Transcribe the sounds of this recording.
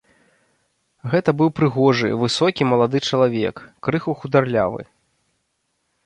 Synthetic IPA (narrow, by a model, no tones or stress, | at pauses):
ɣɛt̪ɐbɨwpɾɨɣɔʐɨ̰vɨsɔkʲimɐlˠad̪ɨt͡ʂɐlˠavʲɛkːɾɨxuxud̪arlʲa̰vɨ̰